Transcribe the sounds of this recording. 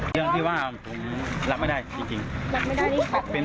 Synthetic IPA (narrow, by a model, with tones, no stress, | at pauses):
ɯ˥˩əŋt̪ʰiː˥˩waː˥˩˧pʰo˩˦mla˦˥p̚ma˥˩jdaː˥˩jt͡ɕi˧ŋt͡ɕi˧ŋla˦˥pma˥˩jda˥˩˥pe˧n